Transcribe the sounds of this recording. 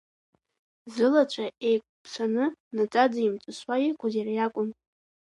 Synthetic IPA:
zɨlat͡ʃʷʰʼaʔejkʷʰʼpʰsʷʰanɨnat͡sʼad͡zaimt͡sʷʼɨswajikʷʼʊzjarajakʷʼʊn

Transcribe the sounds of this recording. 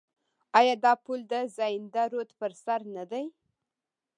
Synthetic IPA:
ɑjɑd̪ɑpuld̪əzɑjɪnd̪aɾot̪pəɾsaɾnad̪aj

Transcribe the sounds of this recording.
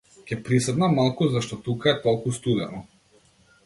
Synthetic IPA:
cʲɛpɾisɛd̪namalˠkuzaʃt̪ɔt̪ukaɛt̪ɔlˠkust̪ud̪ɛnɔ

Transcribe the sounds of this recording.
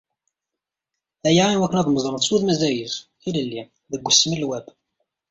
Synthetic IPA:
æjaʕinwækːənæðˤməzˤəɾmðˤsuðmæzæjəzθiləlːi | ðəɡʷːəsːəməlːwæb

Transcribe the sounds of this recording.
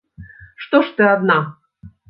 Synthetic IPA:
ʂt̪oʂt̪ɨad̪nɑ

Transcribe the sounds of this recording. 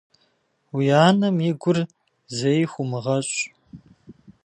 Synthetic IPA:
wijaːnɐmiɡʷʊr | zejxʷʊmɨʁɐɕʼ

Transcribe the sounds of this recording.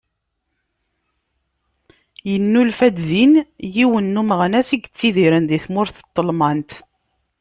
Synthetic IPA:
jənːulfæd̪ðinjiwənːuməʁnæsiɡət͡sːiðiɾənðiθmʊɾθə̥t̪ˤːəlmɑnt̪

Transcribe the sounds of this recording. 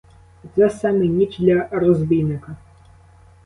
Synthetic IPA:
t̪zɛsamɨnʲid͡ʒd̪lʲɐrɔzbʲijnɪkɐ

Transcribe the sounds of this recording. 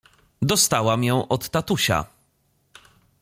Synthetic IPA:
d̪ɔst̪awamjɔ̃w̃ʔɔt̪ːat̪uɕa̰

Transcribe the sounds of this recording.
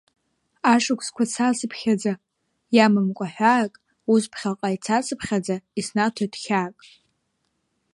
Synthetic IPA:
aʂɨkʷʰskʷʰat͡sʰasɨpʰχʲad͡za | jamɨmkʷʼaħᶣʷaːkʼ | uspʰχʲalqʼait͡sʰasɨpʰχʲad͡zaisnatʰadχʲaːkʼ

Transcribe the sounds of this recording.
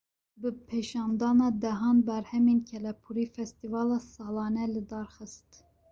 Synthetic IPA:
bɨpʰeʃɑːnd̪ɑːnɑːd̪ɛɦɑːnbɛɾhɛmeːnkʰɛlɛpʰuɾiːfɛst̪ivɑːlɑːsɑːlɑːnɛlɨd̪ɑːɾxɨst̪

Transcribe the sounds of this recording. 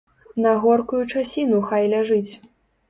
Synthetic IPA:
nɐɣɔrkujut͡ʂasʲinuxajlʲaʐɨt͡sʲ

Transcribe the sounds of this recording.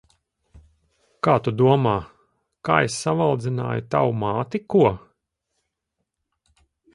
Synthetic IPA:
kaːt̪ud̪uɔmaː | ka̰ːesːavalˠd̪zina̰ːjut̪awmaːt̪ikuɔ

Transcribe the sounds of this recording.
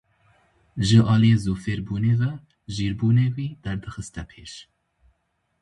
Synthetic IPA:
ʒəʔɑːlijeːzuːfeːɾbuːneːvɛ | ʒiːɾbuːneːwiːd̪ɛɾd̪ɨxɨst̪ɛpʰeːʃ

